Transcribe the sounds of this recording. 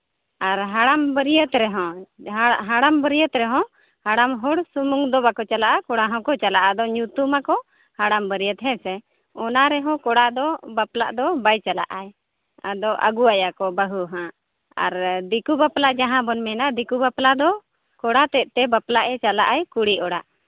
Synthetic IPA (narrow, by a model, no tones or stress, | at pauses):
aɾɦaɽambəɾijət̪ɾɛɦɔ̃ | ɦaɽambəɾijət̪ɾɛɦɔ̃ | haɽamɦɔɽsumuŋd̪ɔbakɔt͡ʃalaʔakɔɽaɦɔ̃kɔt͡ʃalaʔad̪ɔɲut̪umakɔ | haɽambəɾijət̪ɦɛ̃sɛ | ɔnaɾɛɦɔ̃kɔɽad̪ɔbapla̰ʔd̪ɔbajt͡ʃala̰ʔaj | a̰d̪ɔʔa̰ɡuajakɔbəɦuɦã | a̰ɾd̪ikubaplad͡ʒaɦãbɔnmɛnad̪ikubaplad̪ɔ | kɔɽat̪ɛt̪̚ˀt̪ɛbaplaʔɛt͡ʃalaʔajkuɽiʔɔɽaʔ